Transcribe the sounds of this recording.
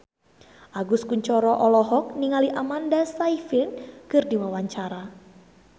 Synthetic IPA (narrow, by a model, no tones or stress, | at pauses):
ʔaɡʊskuɲt͡ʃɔɾɔʔɔlɔɦɔk̚niŋaliʔamandasaifɪnkɨrdiwawaɲt͡ʃaɾa